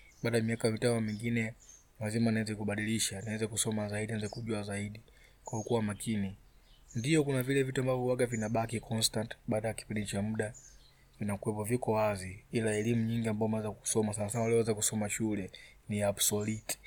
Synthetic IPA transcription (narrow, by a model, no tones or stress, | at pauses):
ɓaːɗaamiakamitanɔmiŋɡinɛ | lazimanaɛzɛkuɓaɗiliʃaniwɛzɛkusɔmazaiɗinaɛzɛkuʄuazaiɗi | kwahɔkuwamakʰini | ndiɔkunavilɛvituambavɔwaɡavinaɓakikʰɔnstantɓaːɗajaki̥pindit͡ʃamuɗa | vinakuwɛpɔvikɔwaziilaɛlimuɲiŋɡiambavɔmawɛzaku̥sɔmasanasanwalɛɔwɛzakusɔmaʃulɛ | niabsɔliti̥